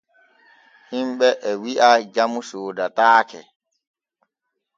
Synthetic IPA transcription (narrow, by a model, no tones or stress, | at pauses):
himɓɛʔɛwiʔad͡ʒamusoːdataːkɛ